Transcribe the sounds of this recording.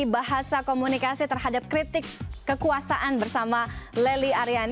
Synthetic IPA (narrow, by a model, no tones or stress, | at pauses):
baɦasakomunikasit̪ərɦadap̚kɾit̪ɪkːəkuasaʔanbərsamaleliaɾian